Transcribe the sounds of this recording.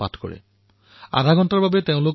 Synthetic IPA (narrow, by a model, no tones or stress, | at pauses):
a̰tʰkɔ̰ɹḛ | a̰dʱaɡɔntaɹbabeteʊ̃lok